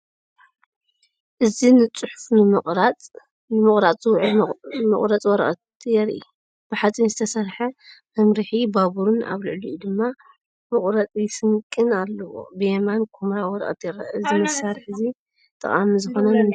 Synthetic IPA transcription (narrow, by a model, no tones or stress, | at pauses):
ʔɨzinɨt͡sʼuħʊ̥fnɨmɨχʼɾat͡sʼ | nɨmɨχʼɾat͡sʼuwʕlmɨ̰χʼɾɐt͡sʼwɔɾɐʔʼɐt̪jɛɾʔḭ | b̥ɨħat͡sʼinzɨt̪ʰɐsɐɾħɐmɐmɾiħibaβuɾɨna̰βlɨʕlujud̪ɨmːa | mɨχʼɾɐt͡sʼjɪsɨŋkʼːɨnalːɐwo̰bɨjemankʰomɾawɔɾɐ̰ʔʼɐ̰t̪jɛɾɐ̰ʔɨzimɐsaɾħɨzi | t̪ʼɨ̰χʼamizɨxo̞nɐnɨ